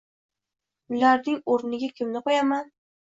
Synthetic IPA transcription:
ʊlaɾnɪŋoɾnɪɡʲakʲʰɪmnɪqojaman

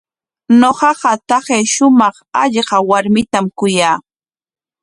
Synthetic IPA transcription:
noɢɑɢɑt̪ɑɢejʃʊmɑχɑʎɢɑwaɾmɪt̪amkʊjaː

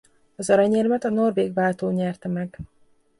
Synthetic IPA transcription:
ɒzɒɾɒɲɛːlmɛt̪ɒno̞rveːɡvaːlt̪oːɲɛrt̪ɛmɛɡ

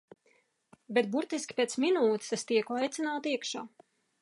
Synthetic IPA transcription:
bet̪̚buɾt̪iskʲi̥pʲet̪sminuːt̪i̥sɛst̪iɛkajt̪sʲinaːt̪iɛkʃaː

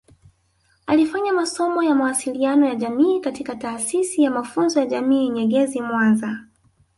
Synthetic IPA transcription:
alifaɲamasɔmɔjamawasilianɔjaʄamiːkatikataːsisijamafunzɔjaʄamiːɲɛɡɛzimwanza

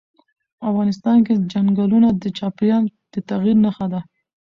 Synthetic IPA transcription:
afɣɑnɪst̪ɑnked͡ʒaŋɡalunad̪ət͡ʃɑpjɑnd̪̥ət̪aɣiɾnaxad̪a

